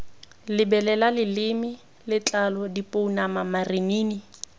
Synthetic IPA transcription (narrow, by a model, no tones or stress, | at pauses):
lɪbɛlɛlalɪlɪmɪ | lɪt͡ɬalɔdipʼounamamariniːni